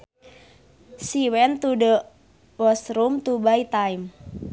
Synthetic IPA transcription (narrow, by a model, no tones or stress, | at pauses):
siwɛnt̪uɖəʔ | wɔsɾumt̪ubait̪aim